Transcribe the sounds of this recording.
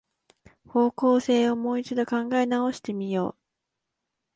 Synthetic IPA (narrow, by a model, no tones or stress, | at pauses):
ho̞ːko̞ːse̞ːomo̞ːit͡ɕid̪o̞kãŋɡaenao̞ɕi̥t̪e̞mʲijo̞̰ː